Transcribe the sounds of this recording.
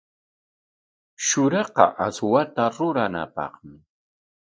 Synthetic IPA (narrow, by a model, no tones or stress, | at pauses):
ʃʊɾɑqɑ̰ʔaswat̪aɾʊɾana̰pɑ̰χmɪ